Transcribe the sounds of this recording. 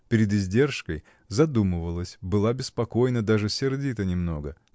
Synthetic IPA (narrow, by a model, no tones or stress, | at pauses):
pʲɪɾʲɪd̪ɪzʲdʲe̞rʂkəj | zɐd̪uməvəlˠəsʲbɨlˠabʲɪspɐko̞jnəd̪aʐɨsʲɪrdʲit̪ənʲɪmno̞ɡə